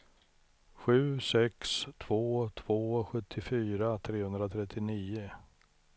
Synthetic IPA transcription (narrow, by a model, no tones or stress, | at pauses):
ɧʉ̟ːsɛkst̪ʰv̥oːt̪ʰv̥oːɧɵt̪ʰːɪfyːɾat̪ʰɾeːhɵnd̪ɾat̪ʰɾɛt̪ʰːɪniːʊ